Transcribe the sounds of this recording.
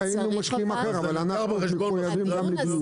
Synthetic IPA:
ajinumaʃkiimaχeʁavalana | umiujavimɡamliɡlu

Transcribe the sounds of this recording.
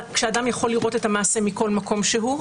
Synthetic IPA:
kʃeadamjaχo̞liʁo̞tetamaːse̞miko̞lmako̞mʃeɦu

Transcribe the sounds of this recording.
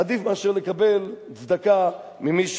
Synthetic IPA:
ad̪ifmeaʃeʁlekabe̞l | t͡sd̪aka | mimiʃ

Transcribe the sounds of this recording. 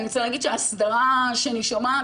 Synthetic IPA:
nit͡seilaːɡid̪ʃeasdaʁaʃeniʃoma

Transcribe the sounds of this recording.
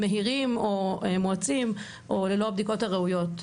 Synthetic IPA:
meɦiʁimomoat͡sim | ʔolelo̞abd̪iko̞thaʁeujot

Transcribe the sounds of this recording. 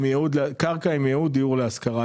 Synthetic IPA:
mjeud̪kaʁkaimjeud̪ijuʁleaskaʁa

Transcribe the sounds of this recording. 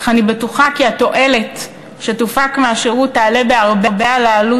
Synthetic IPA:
anibetuχakiato̞ʔe̞le̞t | ʃetufakmeaʃeʁutːaːlebeaʁbebealaːlu

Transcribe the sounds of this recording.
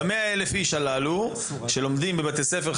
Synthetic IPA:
meaelefiʃalalu | ʃelo̞md̪imbebat̪esefeʁ

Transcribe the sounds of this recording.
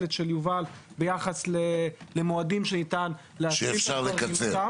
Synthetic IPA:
letʃe̞ljuvalbejaχaslelemoadimʃenitan | leaʃifʃaʁlekat͡sea

